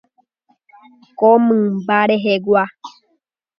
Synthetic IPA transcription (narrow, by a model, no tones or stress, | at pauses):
komɨ̃mbaɾeɦeɡwa